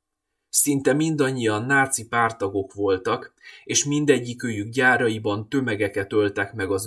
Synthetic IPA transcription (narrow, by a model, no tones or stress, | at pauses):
sint̪ɛmind̪ɒɲːijɒnːaːt̪sipaːrt̪ɒɡo̞kʋo̞lt̪ɒkeːʃmind̪ɛɟːikøːjyɡɟaːɾɒjibɒnt̪ø̞mɛɡɛkɛt̪ø̞lt̪ɛkmɛɡɒz